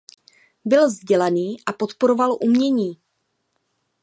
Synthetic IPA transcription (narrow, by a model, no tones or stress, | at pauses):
bɪlzɟɛlaniːʔapo̞t̪poɾo̞valʔumɲɛɲiː